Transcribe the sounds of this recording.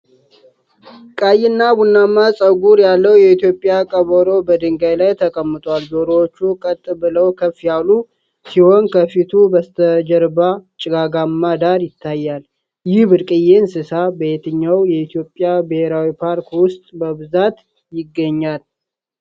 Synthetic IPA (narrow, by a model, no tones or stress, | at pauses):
kʼajɪnːabunːamːasʼəɡuɾjalːəwjɛit̪jo̞pʼjakʼəβəɾo̞bəd̪ɨŋɡajlajt̪ʰəkʼəmːɨt̪ʼwalzo̞ɾowot͡ʃːukʼət̪ʼːbɨləwkʰəfːjalu | siho̞nkʰəfit̪ʰubəst̪ʰəd͡ʒəɾbat͡ʃʼɪɡaɡamːad̪aɾjɪt̪ʰːajːal | jɪhbɨɾkʼɨjensɨsabəet̪ʰɨɲːawjɛit̪ʰjo̞pʼːɪjabɨhe̞ɾawipʰaɾkwʊst̪ʼbəβɨzat̪ | jɪɡːəɲːal